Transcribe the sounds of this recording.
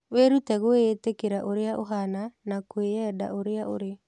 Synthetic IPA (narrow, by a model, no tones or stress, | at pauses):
weɾutɛɣoetekeɾaʔoɾeaʔo̰ɦananakweɛda̰oɾeao̰ɾe